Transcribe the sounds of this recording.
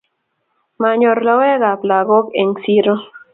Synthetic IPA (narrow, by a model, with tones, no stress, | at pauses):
ma˨ɲo˨ɾla˦we˦ɣa˨pla˨ɣo˦ke˨ŋsi˦ɾo˦